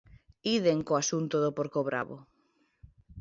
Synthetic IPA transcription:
iðeŋkoasunt̪oðopoɾkoβɾa̰βo̰

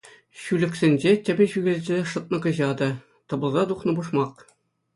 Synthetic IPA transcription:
ɕylʲɘ̆ksʲĕnʲd͡ʑetʲɘ̆bʲɘ̆ɕyɡʲĕlʲd͡ʑʲeʂɤ̆t̪̚nɤ̆kɤ̆ʑɑd̪ɤ̆ | t̪ɤ̆bɤ̆lˠzɑd̪uχnɤ̆buʂmɑq

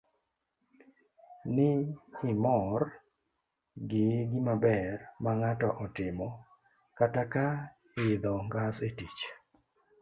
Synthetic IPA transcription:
nɪɪmɔr | ɡɪɡɪmabɛrmaŋatɔʔɔtɪmɔ | kataka | ɪd̪ɔŋɡasetit͡ʃ

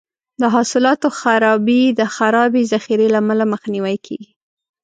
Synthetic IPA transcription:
d̪əɦɑsɪlɑt̪oxaɾɑbid̪əxaɾɑbizaxiɾelamalaməxniwajkʰḛɡi

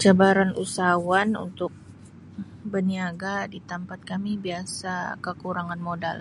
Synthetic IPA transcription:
d͡ʒabaɾanʔusawanṵnt̪ʊk̚ | bəniaɡadit̪ampat̪̚kamibiasakəkuɾaŋanmoda̰l

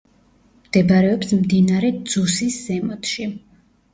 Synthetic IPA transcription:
md̪̥ɛbɾɛɔpsmd̪inaɾɛd̪z̥usiszɛmɔt̪ʰʃi

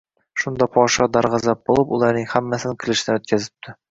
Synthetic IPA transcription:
ʃund̪ɒpʰɒʃɑd̪ɒɾʁɑzɑp̚bolˠɤpulˠɑɾnɤŋhæmːæsɘnɘŋkʰʲɘ̆lɘ̆ʃɪ̆næɵt̪̚kʲʰæzɪ̥p̚t̪ʰɪ

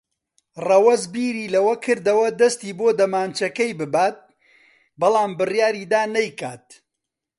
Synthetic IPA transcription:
rɐwɐzbiːɾiːlɐwɐkʰɨɾd̪ɐwɐd̪ɐst̪iːboːd̪ɐmaːnt͡ʃɐkɐjbɨbaːt̪̚ | bɐlˠaːmbɨrjaːɾiːd̪aːnɐjkaːt̪̚

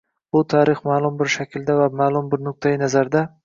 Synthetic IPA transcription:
b̥ʊt̪ʰaːɾɪχmaːlˠʊmbɪɾʃakʲɪld̪avamaːlˠʊmbɪɾnʊk̚t̪ʰajɪnazaɾd̪a

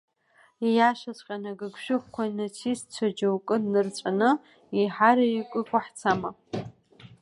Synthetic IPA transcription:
ijaʃʷat͡sʷʼqʲʼanaɡɨɡʷʃʷᶣʊk̚ʷʼkʷʰainɨt͡sʰist͡ɕʷʰad͡ʒawkʼɨdnɨrt͡ɕʷʼanɨ | iħaɾaikʷʼɨkʷʼaħt͡sʰama

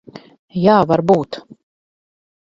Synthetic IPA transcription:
jaːvaɾbuːt̪

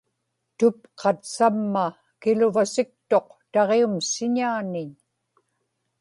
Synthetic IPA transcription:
t̪ʊp̚qʰɑt̪samːa | kɪlʊvasɪk̚t̪o̞qt̪ɑʁeumsɪɲaːnɪɲ

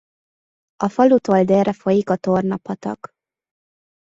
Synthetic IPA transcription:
ɒfɒlut̪old̪eːrɛfo̞jikɒt̪ornɒpɒt̪ɒ̰k

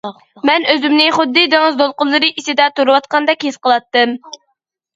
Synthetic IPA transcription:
mɛnøzymnɪχʊd̪ːɨd̪eŋɨzd̪olˠqʊlˠːɨɾɨʔisɪd̪ɛt̪uɾɨwɑt̪̚qɑnd̪ɛkʲhesqəlˠɑt̪ːɨm

